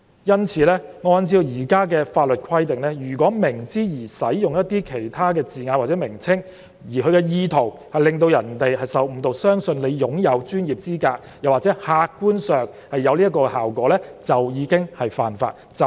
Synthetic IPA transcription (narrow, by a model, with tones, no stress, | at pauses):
jɐ˥nt͡sʰiː˨˧lɛː˥ŋɔː˨˧nt͡siː˧jiː˨˩kaː˥k̬ɛː˧faː˧t̚lɵ˨t̚kʰɐ˥jt̪e˨˩ŋlɛː˥jyː˨˩k̬ʷɔː˨˥mɪ˨˩ŋt͡siː˥jiː˨˩sɐ˨˥jːʊ˨ŋjɐ˥t̚t̪iː˥kʰe˨˩jt̪ʰaː˥kɛː˧t͡siː˨ŋaː˧nwaː˨tt͡sɛː˨˥mɪ˨˩ŋt͡sʰɪ˥ŋ | jiː˨˩kʰɵ˧ɥkɛ˧jiː˧t̪ʰo˨˩w | hɐ˨jlɪ˨˩ŋt̪o˧wjɐ˨˩nt̪e˨jɦɐ˨jsɐ˨wm̩˨˧t̪o˨wsœː˥ŋsɵ˧nle˨˧jjʊ˨˥ŋjɐ˨˧wt͡ʃyː˥njiː˨p̚t͡siː˥kaː˧k̚ | jɐ˨˩wa˨t͡sɛː˨˥haː˧kkːuː˥nsœː˨ŋ | hɐ˨jːɐ˨˧wliː˥ɐ˥tkɔː˧kɛ˧haː˨wkʷɔː˨˥lɛː˥t͡sɐ˨wjiː˨˧kɪ˥ŋhɐ˨˩jfa̰ː˨nfa̰ː˧t̚ | t͡s